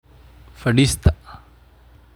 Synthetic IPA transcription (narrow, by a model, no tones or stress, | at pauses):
fɐɖist̪a